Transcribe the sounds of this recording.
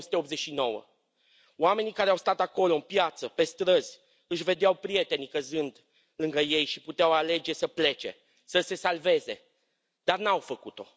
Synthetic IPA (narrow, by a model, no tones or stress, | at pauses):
su̥t̪eop̪ze̞t͡ʃʃino̞wə̰ | oame̞nikaɾeawst̪at̪ako̞lo̞ɨmpjat̪səpe̞st̪ɾəz̥ʲ | ɨʃ̬ve̞d̪eawpɾije̞t̪e̞nikəzɨnd̪ | lɨŋɡəje̞jʃiput̪eawale̞d͡ʒe̞səple̞t͡ʃe̞̰ | səse̞salve̞ze̞̰ | d̪̥arnawfəkut̪o̞